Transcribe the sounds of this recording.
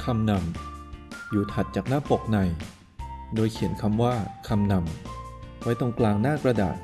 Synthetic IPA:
kʰa˧mna˧m | juː˨˩t̪ʰa˨˩t̪̚t͡ɕaː˨˩k̚naː˥˩po˨˩k̚na˨˩j | doː˧jkʰi˨˩˦ənkʰa˧mwaː˥˩kʰa˧mna˧m | wa˦˥jt̪ɔ˧ŋklaː˧ŋnaː˥˩kɾa˧da̰ː˨˩t̪̚

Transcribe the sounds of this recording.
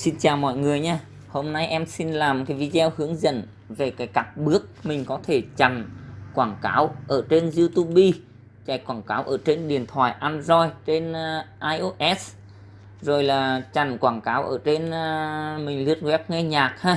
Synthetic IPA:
si˧nt͡ɕaː˨˩wmɔ̰˧˨jŋɨ˨˩əjɲaː˧ | ho˧mna˧jʔɛ˧msi˧nlaː˨˩mkaː˨˦jvi˧zwhɨ˨˦əŋzə̰˧˥˨n | ve˨˩kaː˨˦jkaː˧˩p̚ɓɨ˦˥ək̚mï˨˩ŋ̟kɔ˨˦t̪ʰe˧˩t͡ɕa˨˩ŋkwaː˧˩ŋkaː˨˦wʔəː˧˩t͡ɕe˧nzi˧t̪u˧ɓi˧ | t͡ɕa˧˩jkwaː˧˩ŋkaː˨˦wʔəː˧˩t͡ɕe˧nɗi˨˩ənt̪ʰwaː˧˩jʔaː˧nzɔ˧jt͡ɕe˧nʔaː˧jʔo˧ʔɛ˦˥s | zo˨˩jlaː˨˩t͡ɕa˨˩nkwaː˧˩ŋkaː˨˦wʔəː˧˩t͡ɕe˧n | mï˨˩ŋ̟li˧˦˥ət̚wɛ˦˥p̚ŋɛ˧ɲaː˨˩k̚haː˧

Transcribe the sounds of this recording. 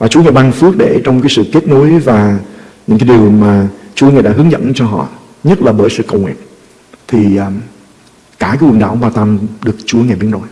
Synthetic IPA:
vaː˨˩t͡ɕu˨˦ŋaː˨˩ɓaː˧ŋfɨ˦˥ək̚ɗe˧˩t͡ɕɔ˧wŋ͡mkaː˨˦jsɨ̰˧˨ke˦˥t̚no˨˦jvaː˨˩ɲɨ̰˧˥ŋkaː˨˦jɗi˨˩əwmaː˨˩t͡ɕu˨˦əŋaː˨˩ɗa̰ː˧˥ɦɨ˨˦ŋzə̰˧˨nt͡ɕɔ˧ɦɔ̰˧˨ | ɲə˦˥t̚laː˨˩ɓəː˧˩jsɨ̰˧˨kə˨˩wŋi˨ət̚ | t̪ʰi˨˩ʔː | kaː˧˩kaː˨˦wə˨˩nɗa̰ː˧˩wɓaː˨˧˩wt̪aː˧mɗɨ˨˩ək̚t͡ɕu˨˦əŋaː˨˩ɓi˨˦ənɗo̰˧˩j

